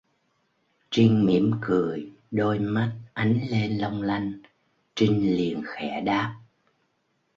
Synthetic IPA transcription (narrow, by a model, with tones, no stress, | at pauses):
t͡ɕi˧ŋmi˧˩əmkɨ˧˩əj | ɗo˧jma˦˥t̚ʔa˨˦jŋ̟le˧nlə˧wŋ͡mla˧jŋ̟ | t͡ɕi˧ŋ̟li˨˩ənxɛ˧˩ɗaː˦˥p̚